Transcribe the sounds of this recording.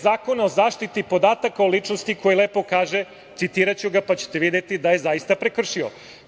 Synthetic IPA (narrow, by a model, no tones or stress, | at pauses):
zaːko̞naozaːʃt̪it̪ipo̞d̪aːt̪akaolit͡ʃnost̪iko̞jeleːpo̞kaːʒe | t̪sit̪iːɾat͡ɕuɡapat͡ɕe̥t̪eʋid̪jet̪id̪aje̞zajist̪apɾekr̩ʃio̰